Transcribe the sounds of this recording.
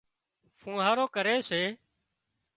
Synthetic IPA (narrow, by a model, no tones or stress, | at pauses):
fʰũːɦaːɾoːkəɾeːseː